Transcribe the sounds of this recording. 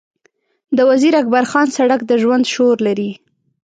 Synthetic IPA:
d̪əwaziɾak̚baɾxɑnsaɽakd̪əʒwand̪ʃoɾlaɾi

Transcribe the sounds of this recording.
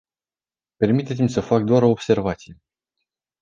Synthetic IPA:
pe̞rmit̪et̪simʲsəfak̚d̪oaɾo̞ːbse̞rvat̪sije

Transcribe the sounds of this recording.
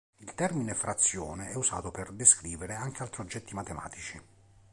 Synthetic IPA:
ilt̪ɛrminefɾat̪sːjɔːneɛuza̰ːt̪operd̪eskɾiːveɾeaŋk̟ealt̪ɾiod͡ʒːɛt̪ːimat̪ema̰ːt̪it͡ʃi

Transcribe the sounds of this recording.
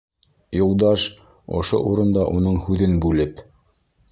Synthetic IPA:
jŏlˠd̪ɑʃ | ŏ̰ʃo̰ʔuɾɤ̆nd̪ɑʔunɤɴhʉðɘnbʉlɘp

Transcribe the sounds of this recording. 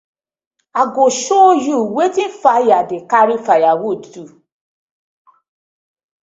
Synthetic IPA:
aɡoʃojuwetifajadekaɾifajawotutu

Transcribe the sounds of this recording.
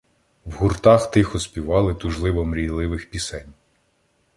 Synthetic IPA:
wɦʊrt̪ɑxt̪ɪxɔspʲiʋɑlˠɪt̪ʊʒlˠɪʋɔmɾʲijlˠɪʋɪxpʲisɛnʲ

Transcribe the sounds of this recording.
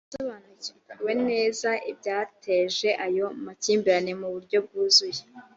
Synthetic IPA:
soβaːnuciwe̞ne̞ːzaʔib̚ɟaːtʰeʒe̞ʔajo̞maciːmbiɾanemuβuɾɟo̞b̚ɡuːzuje

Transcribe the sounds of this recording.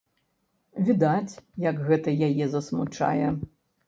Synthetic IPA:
vʲid̪at͡sʲjɐɡɣɛt̪ɐjajɛzɐsmut͡ʂa̰jɛ

